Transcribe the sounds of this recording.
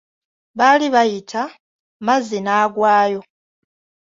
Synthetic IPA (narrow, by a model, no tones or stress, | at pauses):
βaliβajitʰa | mazenaːɡwaːjo̞